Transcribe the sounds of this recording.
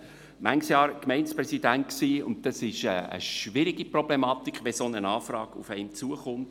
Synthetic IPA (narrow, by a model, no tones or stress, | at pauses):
mʔæŋsjɑːɾkmɛɪnspɾɛsidænt̚ksiːʊ̰ntd̥ɑsɪʃəə̰ʃʋɪɾiɡ̥iprɔb̥lemɑːt̪ikχʋɛsonənɑːfrɑːɡ̥ṵfɛɪmt͡suəχʊmt